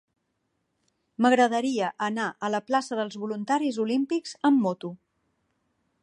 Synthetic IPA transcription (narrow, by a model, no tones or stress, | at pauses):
məɣɾəðəɾiəʔənaʔələplasəðəlˠzβulunt̪aɾizulimpikz̥əmːɔt̪u